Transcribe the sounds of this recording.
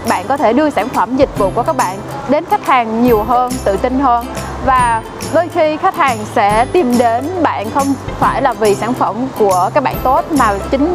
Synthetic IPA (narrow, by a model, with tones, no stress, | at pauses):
ɓa̰ː˧˨nkɔ˨˦t̪ʰe˧˩ɗɨ˧əsaː˧˩nfə˧˩mzï˨˩k̟̚vṵ˧˨ku˧˩əkaː˦˥k̚ɓa̰ː˧˨n | ɗe˨˦nxa˦˥k̚haː˨˩ŋɲi˨˩əwɦəː˧nt̪ɨ̰˧˨t̪ï˧ŋ̟ɦəː˧n | vaː˨˩ | ɗoː˧jxi˧xa˦˥k̚haː˨˩ŋsɛ̰˧˥t̪i˧mɗe˨˦nɓa̰ː˧˨nxə˧wŋ͡mfaː˧˩jlaː˨˩vi˨˩saː˧˩nfə˧˩mku˧˩əkaː˦˥k̚ɓa̰ː˧˨nt̪o˦˥t̚maː˨˩t͡ɕï˨˦ŋ̟